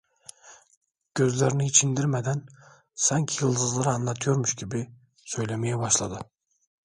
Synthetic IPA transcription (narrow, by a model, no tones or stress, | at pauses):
ɡ̥ʲøzlæɾnɪːt͡ʃʰind̪iɾmæd̪æn | sɑŋkʲʰijɨlˠd̪ɯzlˠɑɾɑnːɑt̪ʰjoɾmyʃkʲʰibɪ | søjlæmɛjɛbɑʃlˠɑd̪ɨ